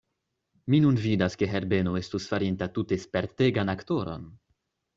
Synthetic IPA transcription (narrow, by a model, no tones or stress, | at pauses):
minunvidaske̞ɦeɾbe̞noe̞stusfaɾintatutespeɾte̞ɡanakto̞ɾo̞̰n